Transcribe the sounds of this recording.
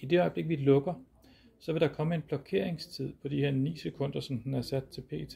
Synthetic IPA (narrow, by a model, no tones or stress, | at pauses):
id̥e̝ɒ̽ɪb̥le̝ɡ̥̚ʋilɔ̽ɡ̥ɐ | sɒ̽ʋe̝d̥ɑ̈kʰɒ̽məe̝nb̥lɒ̽kʰe̝ɐ̰e̝ŋst͡sʰið̞̰ˠpʰɒ̽d̥ihe̝ɐ̰nḭːsekʰɔ̽n̰d̥ɐsɒ̽mdnæɐsæd̥̚t͡sʰe̝lpʰe̝̰ːt͡sʰe